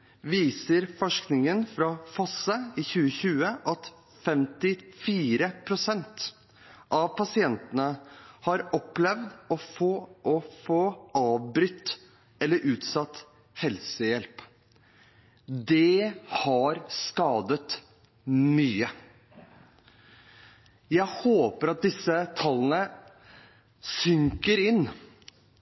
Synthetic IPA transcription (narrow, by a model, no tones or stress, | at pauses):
ʋiːsəɾfɔʂknɪŋənfɾɑfɑsəɪçʉːəçʉːəʔɑt̪ | fɛmt̪ɪfiːɾəpʰɾʊsɛnt̪ | ʔɑʋpɑsɪɛnt̪ənəhɑɾɔpːlɛʋd̪ɔfoːʔɔfoːɑːʋbɾʏt̪ː | ɛlːəɾʔʉːt̪sɑt̪ | hɛlsəjɛlp | d̪ɛhɑɾskɑːd̪ət̪ | myːə | jæɪhoːpəɾɑt̪̚d̪ɪsət̪ʰɑlːənə | sʏŋkəɾɪnː